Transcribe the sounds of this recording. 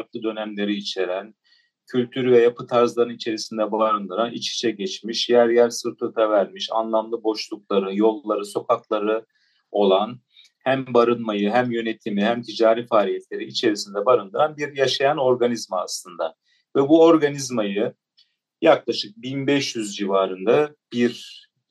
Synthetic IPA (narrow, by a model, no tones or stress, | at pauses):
aɾk̪lˠɯd̪ø̞næmlʲe̞ɾiːt͡ʃʰe̞ɾæn | cʰylʲt̪ʰyɾyvɛjapʰɯt̪ʰaɾzlˠaɾɯnit͡ʃʰe̞ɾisind̪ɛbaɾɯnd̪ɯɾanḭt͡ʃʰi̥ʃʰɛɟɛt͡ʃmiʃjæɾjæɾsɯɾt̪ʰɯɾt̪ʰavæɾmiʃa̰nlˠamlˠɯbo̞ʃlˠuklˠaɾɯjo̞lˠːaɾɯso̞kʰaklˠaɾɯ | o̞lˠan | hæmbaɾɯnmajɯɦæmjø̞net̪ʰimihæmt̪ʰid͡ʒaːɾiːfaːlʲijɛt̪ʰlʲe̞ɾiːt͡ʃʰe̞ɾisind̪ɛbaɾɯnd̪ɯɾanbiɾjaʃajano̞ɾɡanizmaa̰slˠɯnd̪a | vɛbuo̞ɾɡanizmajɯ | jaklˠaʃɯk̚binbɛʃjyzd͡ʒivaːɾɯnd̪ab̥iɾ